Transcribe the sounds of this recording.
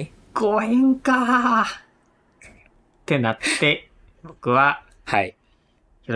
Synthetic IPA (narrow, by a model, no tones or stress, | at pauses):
ɡoiŋka | t̪e̞nat̪ːe̞ | bokɯ̟βa | hai